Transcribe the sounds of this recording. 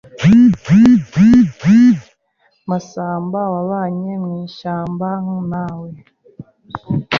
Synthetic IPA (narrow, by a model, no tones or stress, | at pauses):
ivivivi | masaːmbawaβaɲeŋiʃaːmbaŋunawe